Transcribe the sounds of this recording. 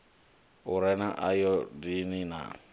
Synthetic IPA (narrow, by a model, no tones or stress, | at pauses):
oɾɛnãʔa̰jɔdinĩna̰